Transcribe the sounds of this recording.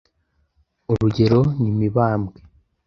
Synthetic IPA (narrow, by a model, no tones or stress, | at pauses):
oɾuɟe̞ɾo̞nimiβaːmɡe